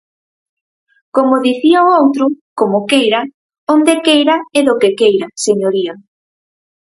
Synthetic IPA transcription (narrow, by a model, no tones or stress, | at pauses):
komoðiθiaoowt̪ɾʊkomokejɾa | ond̪ekejɾaɛðokekejɾaseɲoɾia